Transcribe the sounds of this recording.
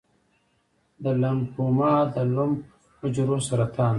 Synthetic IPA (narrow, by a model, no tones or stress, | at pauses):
d̪əlampumɑːd̪əlʊmp | ʊd͡ʒɾosaɾat̪ʰan